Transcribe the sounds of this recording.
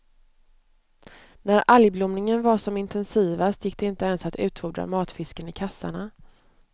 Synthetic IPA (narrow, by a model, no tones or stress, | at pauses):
næɾaljblʊmnɪŋənvaʂɔmɪnt̪ʰɛnsiːvast̪jɪkːd̪ɛɪnt̪əɛnsat̪ʰʉ̟ːt̪fuːɖɾa̰mɑːt̪fɪskənɪkʰasːa̰ɳa